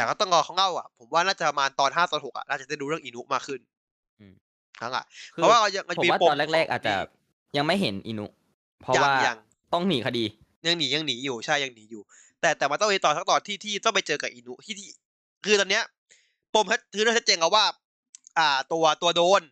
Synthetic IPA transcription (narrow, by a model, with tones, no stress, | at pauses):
t̪ɛː˨˩kʰa˥˩wt̪ɔ˥˩ŋkɔː˧kʰɔ˥˩ŋʔa˥˩wʔa̰˩pʰo˩˦mwaː˥˩naː˥˩t͡ɕa˨˩pɾa˧maː˧nt̪ɔː˧nɦaː˥˩sɔː˦nho˨˩k̚ʔa̰˨˩naː˥˩a˨˩da˥˩duː˧ɾɯ˥˩əŋʔiː˧nu˦˥maː˧kʰɯ˥˩n | ʔɯː˧˩m | kʰa˦˥ŋʔa̰˨˩˧waː˥˩ka˥˩ja˧ŋʔa˧˩˨i˧˦aː˥˩po˧ɔː˧lɛː˥˩ɾɛː˥˩k̚ʔaː˨˩t̪̚t͡ɕa̰˨˩ | ja˧ŋma˥˩jɦe˩˦nʔḭː˧nu˦˥ | pʰɔ˦ja˥wːja˧ŋ | t̪ɔ˥˩ŋmiː˨˧kʰa˧diː˧ | ja˧ŋniː˩˦ja˧ŋniː˩˦juː˨˩t͡ɕʰa˥˩ja˧ŋniː˩˦juː˨˩ | t̪ɛː˨˩t̪ɛː˨˩ma˧nt̪ɔ˥˩ŋmi˧t̪ɔː˨˩sʰa˦˥kt̪ɔː˧nt̪ʰiː˥˩t̪ʰiː˥˩t̪ɔ˥˩ŋpa˧jt͡ɕɤː˧kaː˨˩p̚ʔiː˧nu˦˥t̪ʰiː˥˩t̪ʰiː˥˩ | kʰɯː˧t̪ɔː˧nːi˦˥ɐ | po˧mt͡ɕʰa˦˥t̪̚ʰɯː˧naː˥˩a˦˥t̚t͡ɕeː˧nkʰa˧˩pwaː˥˩ | ʔaː˨˩t̪u˧ɐt̪u˧ɐdoː˧n